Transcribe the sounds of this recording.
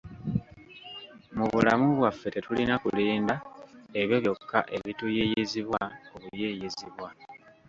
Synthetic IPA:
muβulamuβwafːe̞te̞tulinakuliːndae̞βjo̞βjo̞kʰːa̰ʔe̞βitujijiziβwaoβujejiziβwa

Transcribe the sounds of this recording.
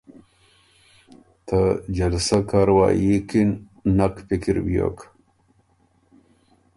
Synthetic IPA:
t̪ʰɐd͡ʑɐlsɐkaɾwa̰jikinː | ɐkpikiɾbijo̰k

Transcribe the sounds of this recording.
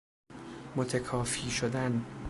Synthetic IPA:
mot̪ʰekʰɒːfiːʃod̪æn

